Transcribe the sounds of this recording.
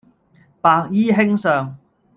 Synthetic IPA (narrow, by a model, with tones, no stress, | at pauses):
paː˧k̚jiː˥ɦɪ˥ŋsœː˨ŋ